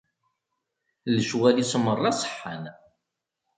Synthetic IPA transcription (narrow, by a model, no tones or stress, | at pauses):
ləʃwælisəmərˤːɑsˤə̥ħːan